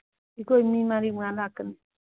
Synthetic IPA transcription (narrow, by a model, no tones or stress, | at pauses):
ikoimimaɾimʷaakɨn